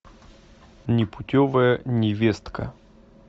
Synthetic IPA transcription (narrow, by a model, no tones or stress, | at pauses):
nʲɪpʊtʲovəjənʲɪvʲest̪kə̰